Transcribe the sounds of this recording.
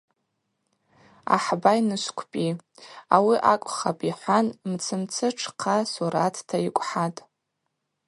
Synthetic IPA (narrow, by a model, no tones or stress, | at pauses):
a̰ħbainɨʃʷkʷʰpʼiawiʔakʷʼχapʼiħʷanmt͡sʰɨmt͡sʰɨʈ͡ʂʰqʰasuɾatʰtʰaikʷʼħatʼ